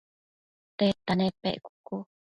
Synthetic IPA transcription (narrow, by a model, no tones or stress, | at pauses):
t̪et̪anepḛʔku̥ku